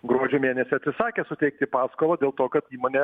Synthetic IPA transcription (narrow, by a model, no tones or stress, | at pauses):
ɡɾoɔd͡ʒʲʊːmʲeːnʲɛsʲɪɐt̪ʲsʲɪsɑːkʲesʊt̪ʲɛɪk̚t̪ʲɪpɑːskoːlˠɐd̪ʲeːlˠt̪oːkɐt̪iːmoːnʲɛ